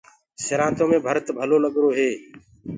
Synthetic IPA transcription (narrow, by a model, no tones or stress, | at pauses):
sɪɾãːt̪õːmẽːbʱəɾt̪bʱəloːləɡɾoːɦeː